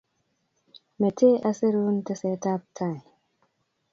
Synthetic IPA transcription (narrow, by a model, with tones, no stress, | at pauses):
me˨tʰe˦ʔa˦se˦ɾu˦nta˨se˨ta˦p̚tʰa˨j